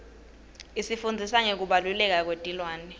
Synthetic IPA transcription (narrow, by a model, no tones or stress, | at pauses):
isifund͡zʱisaŋek̬uɓalulɛk̬ak̬wed̥ʱilwaːnɛ